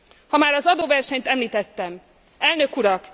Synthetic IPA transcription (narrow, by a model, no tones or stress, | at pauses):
hɒmaːɾɒzɒd̪oːvɛrʃɛɲt̪ɛmliːt̪ɛt̪ːɛm | ɛlnø̞kuɾɒk